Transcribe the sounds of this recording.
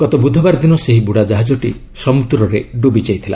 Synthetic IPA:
ɡ̥ɔt̪ɔbud̪ʱɔbaɾd̪inɔseɦibuɽad͡ʒaɦad͡ʒɔʈḭ | sɔmut̪uɾɔɾeɖubit͡ʃajt̪ʰila̰

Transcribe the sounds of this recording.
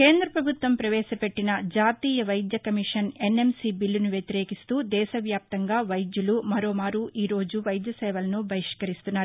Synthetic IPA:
keːnd̪ɾɐpɾɐbʱut̪ʋɐmpɾɐʋɛːʃɐpe̞ʈːinɐd͡ʒaːt̪iːjɐʋɐjd̪jɐkɐmiʂɐne̞nːe̞msibilːunuʋjɐt̪iɾeːkist̪uːd̪ɛːʃɐʋjaːp̚t̪ɐŋɡaːʋɐjd̪julumɐɾo̞ːmaːɾuʔiːɾo̞ːd͡ʒuʋɐjd̪jɐsɛːʋɐlɐnubʱɐjiʂkɐɾist̪unːaːɾu

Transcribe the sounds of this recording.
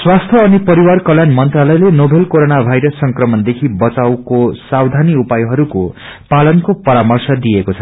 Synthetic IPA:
swast̪ʰjʌːnipʌɾiwarkʌljanmʌnt̪ralʌjlenobʱelkoɾonabʱajɾʌsːʌŋkrʌmʌnd̪ekʰibʌt͡sawkosawd̪ʱaniupajɦʌɾuko | palʌnkopʌɾamʌrsʌd̪iekot͡sʰʌ

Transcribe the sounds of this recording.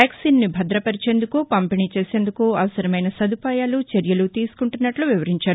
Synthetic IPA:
jaːksiːnːibʱɐd̪ɾɐpɐɾit͡ʃe̞ːnd̪ukupɐmpiniːt͡ʃe̞ːse̞ːnd̪ukuɐʋɐsɐɾɐmɐjnɐsɐd̪upaːjaːlut͡ʃeɾjɐlut̪iːsu̥kuɳʈunːɐʈluʋiʋɐɾiɲt͡ʃaːɾu

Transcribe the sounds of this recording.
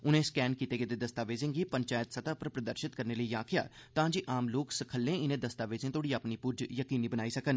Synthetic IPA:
ʊnẽːskɛːnkiːt̪eːɡɪd̪eːd̪əst̪aːʋeːzẽːɡiːpəɲt͡ʃaːjət̪sət̪aːpəɾpɾəd̪əɾʃɪt̪kəɾneːləiːaːkʰɪja̰ːt̪ãːd͡ʒiːʔaːmloːksəkʰəlːẽːɪnẽːd̪əst̪aːʋeːzẽːt̪oːɽiːaːpniːpʊd͡ʒjəkiːniːbənaːiːsəkən

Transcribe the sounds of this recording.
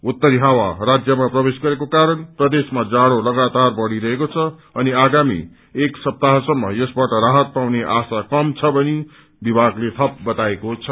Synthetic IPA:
ut̪ːʌɾiɦawarad͡zjʌmaprʌbesɡʌɾekokaɾʌnprʌd̪esmad͡zaɽolʌɡat̪arbʌɽiɾʌɦekot͡sʰʌʌniaɡamḭ | eksʌp̚t̪aɦʌsʌmːʌ̰jʌsbaʈʌɾaɦʌt̪̚pawneʔasakʌmt͡sʰʌbʌni | bibʱaɡlet̪ʰʌp̚bʌt̪aekot͡sʰʌ

